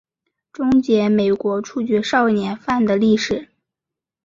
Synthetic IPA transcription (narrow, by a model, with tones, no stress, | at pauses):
ʈ͡ʂʊ˥ŋt͡ɕjɛ˧˥me˨˩ɪkwɔ˧˥ʈ͡ʂʰu˥˩t͡ɕɥɛ˧˥ʂɑ˥˩ʊnjɛ˧˥nfa˥˩nd̪ə˩li˥˩ʂɻ̩˨˩˦